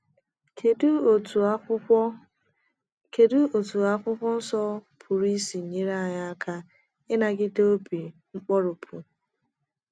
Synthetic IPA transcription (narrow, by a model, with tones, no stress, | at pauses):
kdt | ke˨dʊ˦o˨tu˨a˦kʷʊ˦kʷɔ˦n̩˦sɔ˦pʰʊ˨ɾi˦si˨ɲi˦ɾa˦a˨ɲa˦a˦kʰa˦ | ɪ˦na˨ɡɪ˦do˦bi˨ŋ͡m̩˦k͡pɔ˦ɾʊ˨pʰu˨